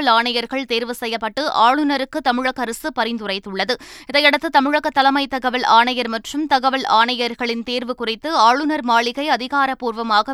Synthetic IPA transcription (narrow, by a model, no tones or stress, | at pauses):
ɐlaːɳɐjɐɾɣɐɭt̪eːɾʋɯsɛjːɐpːɐʈːɯʔaːɭɯnɐɾɯkːɯt̪ɐmɪɻɐɣɐɾɯsɯpɐɾɪnd̪ɯrɐɪt̪ːɯɭːɐðɯɪðɐɪɛɽɐt̪ːɯt̪ɐmɪɻɐɣɐt̪ːɐlɐmɐɪt̪ːɐɣɐʋɐlʔaːɳɐjɐɾmɐʈrɯmt̪ɐɣɐʋɐlaːɳɐjɐɾɣɐɭɪnt̪eːɾʋɯkʊrɪt̪ːɯaːɭɯnɐɾmaːɭɪɣɐɪɐðɪɣaːɾɐpuːɾʋɐmaːɣɐ